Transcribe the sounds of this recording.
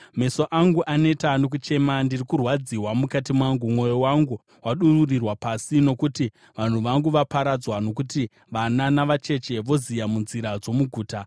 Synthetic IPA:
me̞so̞ʔaŋɡuʔane̞tanok̬ut͡ʃe̞mandirikurwad͡ziwamukatimwaŋɡumwo̞jowaŋɡu | waɗururirwapasino̞kuti | ʋan̤uʋaŋɡuʋapaɾad͡zwano̞k̬uti | ʋananaʋat͡ʃe̞t͡ʃe̞ʋo̞zijamunziɾad͡zo̞muɡʱuːta

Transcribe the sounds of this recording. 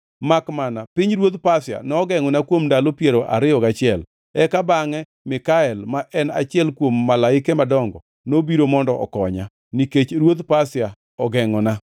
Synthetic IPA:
makmanapɪɲɾwot̪pasja̰nɔːɡɛŋɔnakwomndalopjɛɾoʔa̰ɾɪɔkat͡ʃɪɛl | ɛkabaŋɛ | mɪkaɛlmaʔɛna̰t͡ʃɪɛlkwomːalaɪkɛmadɔŋɡɔ̰ | nobiɾomɔndɔʔɔ̰kɔɲa | niket͡ʃɾwot̪pasja | ɔɡɛŋɔna

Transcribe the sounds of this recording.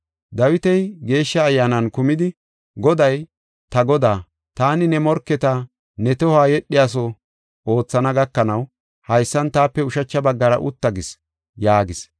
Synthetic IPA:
d̪ɐwɪt̪ɛjɡe̞ːʃːɐːjːaːnɐnkʊmɪd̪ɪ | ɡɔd̪ɐj | t̪ɐɡɔd̪aː | t̪aːnɪnɛmɔɾkːɛt̪ɐ | nɛt̪ɔhaːjɛɗːɪjas̬ɔ | o̞ːt͡sːɐnɐɡɐkːɐnɐw | hɐjsːɐnt̪aːpːɛʊʃɐt͡ʃːɐbɐɡːɐɾɐ̰ʔʊt̪ːɐɡɪs | jaːɡɪs

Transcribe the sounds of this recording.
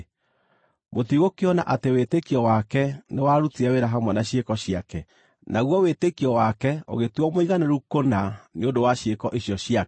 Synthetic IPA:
motiɣokeɔna̰ʔatewetekiɔwakɛnewaɾutiɛweɾaɦamwanaɕekɔɕiakɛ | naɣwɔwetekiɔwakɛo̰ɣetwɔmoiɣanɛɾukonaneondowaɕekɔʔeɕjɔɕia

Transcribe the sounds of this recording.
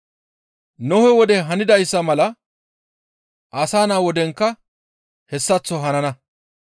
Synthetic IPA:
nɔhɛwɔd̪ɛɦɐnɪd̪ɐjsːɐmɐlɐ | ʔɐsaːnaːwɔd̪ɛŋkːɐ | hɛsːɐt͡sːɔɦɐnɐnɐ

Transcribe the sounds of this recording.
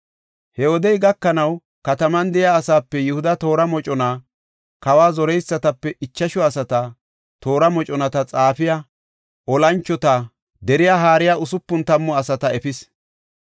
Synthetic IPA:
hɛwɔd̪ɛjɡɐkːɐnɐw | kɐt̪ɐmɐnd̪ɛjaːsaːpːɛjʊhʊd̪ɐt̪o̞ːɾɐmɔt͡ʃʼɔna | kɐwaːzɔɾɛjsːɐt̪ɐpːɛʔɪt͡ʃːɐʃɔɐsɐt̪ɐ | t̪o̞ːɾɐmɔt͡ʃʼɔnɐt̪ɐt͡sʼaːfɪja | ʔɔlɐnt͡ʃːɔt̪a | d̪ɛɾɪjaɦaːɾɪjaːʔʊsʊpːʊnt̪ɐmːʊɐsɐt̪ɐɛfɪs

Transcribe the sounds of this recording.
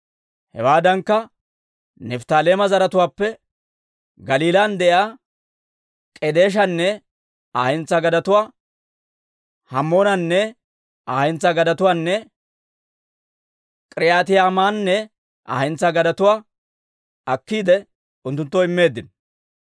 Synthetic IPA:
hɛ̰waːd̪ɐŋkːɐ | nɛft̪aːleːmɐzɐɾɐt̪ʊwaːpːɛ | ɡɐliːlaːnd̪ɛʔjaː | kʼɛd̪e̞ːʃ̬ɐnːɛ | aːhɛnt͡sːɐɡɐd̪ɐt̪ʊwaː | hɐmːoːnɐnːɛ | aːhɪnt͡sːɐɡɐd̪ɐt̪ʊwaːnːɛ | kʼɪɾɪjaːt̪ɪjaːmaːnːɛ | ʔa̰ːhɪnt͡sːɐɡɐd̪ɐt̪ʊwaː | ɐkːiːd̪ɛ | ʊnt̪ːʊnt̪ːɔɪmːe̞ːd̪ːɪn

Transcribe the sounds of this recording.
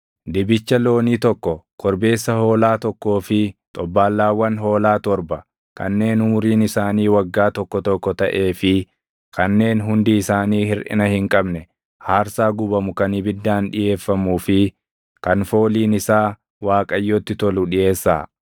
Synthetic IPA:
d̪ɪbɪt͡ʃːɐlo̞ːniːt̪ɔkːɔkɔɾbe̞ːsːɐho̞ːlaːt̪ɔkːo̞ːfɪt̪ʼɔbːaːlːaːwːɐnɦo̞ːlaːt̪ɔɾbɐ | kʰɐ̰nːe̞ːnʊmʊɾiːnɪsaːniːwɐɡːaːt̪ɔkːɔt̪ɔkːɔt̪ɐʔe̞ːfɪ | kɐnːe̞ːnɦʊnd̪iɪsaːniːhɪɾʔɪ̰nɐhɪŋkʼɐbnɛ | haːɾsaːɡʊbɐmʊkɐnɪbɪd̪ːaːnᶑɪje̞ːfːɐmuːfɪ | kɐnfo̞ːliːnɪsaː | waːkʼɐjːoːt̪ːɪt̪ɔlʊᶑɪje̞ːsːa̰ː

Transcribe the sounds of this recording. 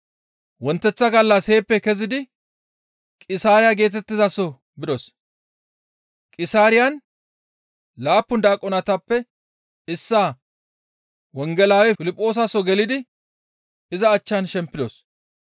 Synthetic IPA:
wɔnt̪ːɛt͡sːɐɡɐlːɐse̞ːpːɛkɛzɪd̪ɪ | kʼɪsaːɾɪjaɡe̞ːt̪ɛt̪ːɪzɐsɔ | bɪd̪ɔs | kʼɪsaːɾɪjɐn | laːpːʊnd̪aːkʼːɔnɐt̪ɐpːɛ | ɪsːaː | wɔŋɡɛlaːwɛfɪlɪpʼːo̞ːs̬ɐsɔɡɛlɪd̪ɪ | ɪzɐːt͡ʃːɐnʃɛmpːɪd̪ɔs

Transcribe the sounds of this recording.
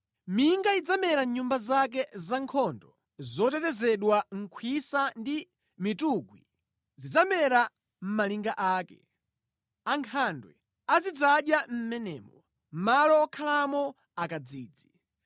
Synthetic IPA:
miŋɡaid͡zamɛɾaɲumbazak̬ɛzaŋkʰɔndɔ | zɔtɛtɛzɛɗwaŋ̩kʰwisandi | mituɡwi | zid͡zamɛɾa | m̩maliŋɡaʔaːkɛ | aŋkʰandwɛ̰ | azid͡zaɗjam̩mɛnɛːmɔ | m̩malɔːkʰalamɔ | akad͡ziːd͡zi

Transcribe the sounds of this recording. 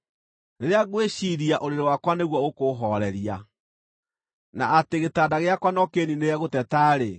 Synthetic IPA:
neɾeaɣweɕiɾiaʔoɾeɾewakwaneɣwɔokoɦɔɾɛɾja | naːteɣetadaɣeakwanɔkeninejɛɣotɛtaɾe

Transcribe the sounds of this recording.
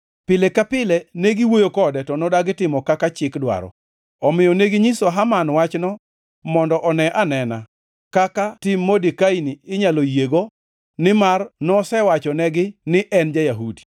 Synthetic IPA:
pɪlɛkapɪlɛneɡiwojokɔdɛtɔnɔdaɡɪtɪmɔkakat͡ʃɪkdwa̰ɾɔ̰ | ɔmɪjɔneɡiɲisoɦamanwat͡ʃnɔ | mɔndɔʔɔnɛʔanɛna | kakatɪmːodikainiɪɲalojeɡo | nɪmarnɔsɛwat͡ʃɔnɛɡɪnɪʔɛnd͡ʒajaɦudi̥

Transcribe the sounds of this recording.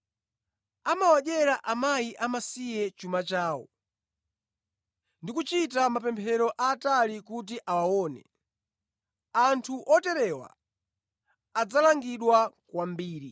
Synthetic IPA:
amawaɗɛɾaʔamajiʔamasijɛt͡ʃumat͡ʃaːwɔ̰ | ndikut͡ʃitamapɛmpʰɛɾɔʔaːtalikut̬iʔawawɔnɛ̰ | antʰuʔɔtɛɾɛwa̰ | ad͡zalaŋɡiɗwakwambiːɾi

